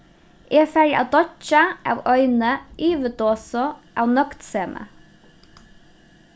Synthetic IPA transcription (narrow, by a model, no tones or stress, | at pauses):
ʔeːfæɹɪʔɑ̰ːd̪ɔt͡ʃɑʔɑ̰ːʋœʏnəʔyːʋəd̪oːsɔʔɑːʋnœkt̪seːmʔə̰